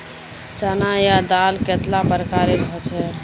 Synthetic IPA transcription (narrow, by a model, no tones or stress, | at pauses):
t͡ʃanajad̪alket̪labəɾkaɾebʱɔt͡ʃʰɛ